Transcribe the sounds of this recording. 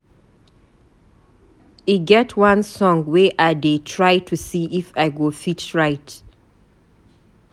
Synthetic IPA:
iɡɛtʰwãnsɔ̃ŋwɛʔadetʰɹajtʰusiʔifaɪɡofitɹaɪt

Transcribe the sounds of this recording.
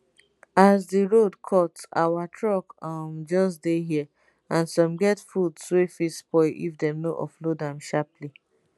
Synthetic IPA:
azdiɹodkʰɔta̰watʰɹɔkɔmd͡ʒɔsdeɦi | ãnsɔ̃mɡɛtfudswefispɔɪʔḭfdɛ̃mnoʔɔ̰flodãmʃapli

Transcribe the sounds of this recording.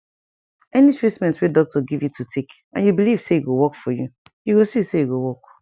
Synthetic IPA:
ɛnit͡ʃɹismɛ̃ntwedɔk̚tʰɔɡivjutʰutʰek | ʔã̰njubiliv̥seiɡowɔkfɔju | juɡosiseiɡowɔk̚

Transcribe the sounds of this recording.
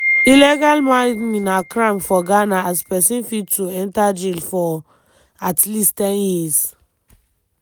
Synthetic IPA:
ilɛɡalmãmĩnakɹãmfɔɡanaazpɛsĩnfitʰuɛ̃ntad͡ʒilfɔ | atlisttɛ̃njiz

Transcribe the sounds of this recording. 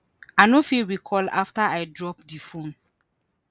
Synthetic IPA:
anofilwikʰɔla̰ftaajdɹɔpdifõn

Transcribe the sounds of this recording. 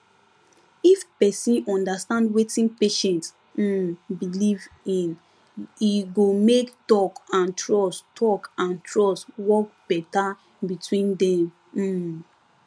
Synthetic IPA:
ifpɛsĩnɔ̃ndastãndwetĩnpeʃɛ̃nts̩ | biliv | ĩn | iɡomektɔkãntʰɹɔstʰɔkãntʰɹɔswɔk̚b̥ɛta | bitwĩndɛ̃m̩

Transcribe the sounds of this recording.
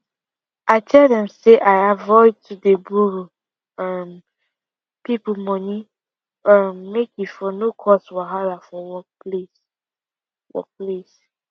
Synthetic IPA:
ʔaɪtʰɛldɛ̃mseʔaɪavɔɪd̚tʰudebuɾu | am | pipumɔ̃ni | amːekjifɔnokʰɔswɔɦaɾafɔwɔples | wɔ̰ples

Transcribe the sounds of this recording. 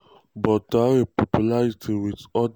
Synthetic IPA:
bɔtaepɔpjulaɹitʰiwitɔd

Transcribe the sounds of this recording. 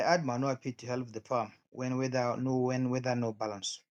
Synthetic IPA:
ajʔad̚manoapʰitʰːuhɛlp̚ðəfam | wɛ̃nwɛðənowɛ̃nwɛðənobalãns

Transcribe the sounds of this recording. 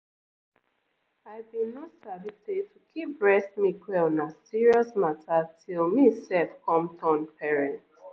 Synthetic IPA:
aɪbĩnɔtsavisetukʰip̚ɹɛsmikʰwɛlnasiɹiɔsmatʰatʰilmisɛlfkʰɔ̃mtʰɔ̃npʰɛɹɛ̃nt

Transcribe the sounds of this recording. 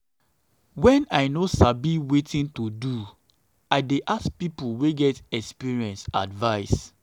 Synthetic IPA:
wɛ̃naɪnosabiwetĩntodu | aɪdeʔask̚pipuweɡɛtɛkspiɹiɛ̃nsa̰dvaɪs

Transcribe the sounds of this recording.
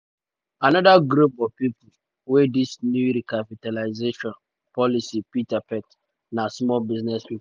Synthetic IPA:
anɔdaɡɾupɔvpipu | wedisnjuɾikapitalaɪzeʃɔ̃n | pʰɔlisipitapɛt | nasmɔlbiznɛspip

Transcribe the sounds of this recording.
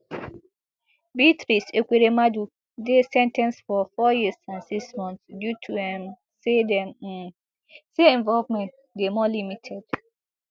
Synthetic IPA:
bitɹisekʷeɾemadu | desɛ̃ntɛ̃nsfɔfɔjisãnsiksmɔ̃nθsdjutʰuɛ̃m | sedɛ̃m̩ | seɛ̃ɱvɔlvmɛ̃nt̚ | demɔlimitʰɛd

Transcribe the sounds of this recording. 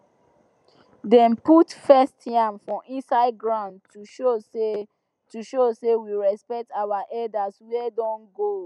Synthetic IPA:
dɛ̃mputfɛstʰãmfɹɔ̃ʔĩnsaɪd̚ɡɹãʊ̃ndtuʃose | tuʃosewiɹɛspɛk̚tawaʔɛdaswɛdɔ̃nɡo

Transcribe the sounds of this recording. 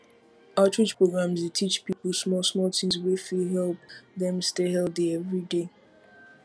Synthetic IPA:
aʊtɹɪt͡ʃpɹoɡɹãmzetʰit͡ʃpipl̩ˠsmɔlˠsmɔltʰĩmzwifilɦɛlˠp̚ðɛ̃mstehɛlθiɛvɹide

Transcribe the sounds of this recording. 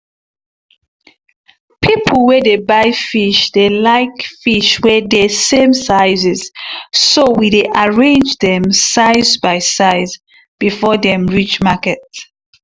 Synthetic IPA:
pʰipʰlwɛdebaɪfiʃdelaɪkfiʃwɛdɛsẽmsaɪzɛz̥sowideʔaɹẽnd͡ʒdɛ̃msaɪzbaɪsaɪz | b̥ifɔdɛ̃mɹit͡ʃmakɛt

